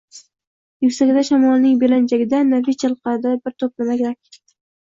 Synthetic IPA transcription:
jʊkʲsaɡʲɪd̪aʃamɒlˠnɪŋbeland͡ʒaɡʲɪd̪anavit͡ʃʰalˠqɑɾd̪abɪɾt̪ʰop̚ɪnaɡʲɾakʲ

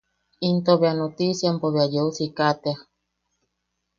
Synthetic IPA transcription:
int̪oβeanot̪isjampoβeajousikat̪ea

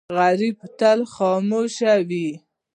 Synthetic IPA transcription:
ɣaɾib̚t̪alxɔmoʃawi

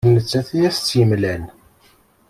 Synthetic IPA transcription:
nət͡sːæθiæst͡sːjəmlæn

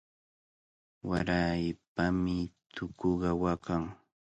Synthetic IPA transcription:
waɾajpamɪt̪ʰʊkoɢɑwakaŋ

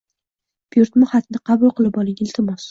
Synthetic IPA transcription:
b̥juɾt̪mʊhat̪nɪqʰɑbʊlˠqɨlˠɪpɒlˠɪŋɪlt̪ʰɪmɒs

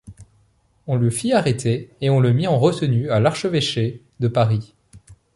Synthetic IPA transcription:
ɔ̃ləfiaʁet̪ʰeːɔ̃ləmiɑ̃ʁət̪ənyalaʁʃəveʃe | d̪əpaʁi

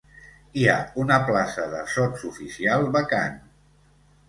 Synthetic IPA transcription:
iaunəplasəðəsɔtsufisialˠβəka̰n

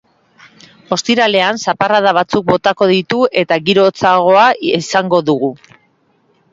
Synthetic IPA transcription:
o̞st̪iɾale̞ansaparaðaβ̞at͡suk̚bo̞t̪ako̞ðit̪ue̞t̪aɣiɾo̞t͡saɣ̞o̞aisaŋɡo̞ðuɣu

